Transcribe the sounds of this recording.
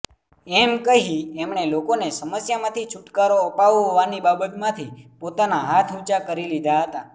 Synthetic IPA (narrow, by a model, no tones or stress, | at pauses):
ɛmkəɦiɛmɳelokonesəməsjamãt̪ʰit͡ʃʰuʈkaɾoəpaʋɦoʋanibabət̪mãt̪ʰipot̪anaɦat̪ʰut͡ʃakəɾilid̪ʱaɦət̪a